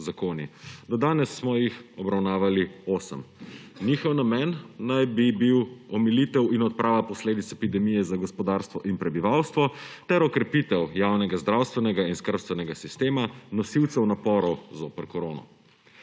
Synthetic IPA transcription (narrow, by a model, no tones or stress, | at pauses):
zakoːnid̪ɔd̪aːnɛsːmɔjixɔbɾawnaːʋalioːsə̰mniːxɔwnamɛnːajbibiwɔmilit̪ɛwinɔt̪̚pɾʔaːʋapɔsleːd̪it̪sɛpid̪ɛmijɛzaɡɔspɔd̪aɾst̪ʋɔʔinpɾɛbiʋawst̪ʋɔt̪ɛɾɔkɾɛpit̪ɛwjaːwnɛɡazd̪ɾawst̪ʋɛnɛɡainskəɾpst̪ʋɛnɛɡasist̪eːmanɔsiwt̪sɛwnapɔɾɔwzoːpəɾkɔɾoːnɔ̰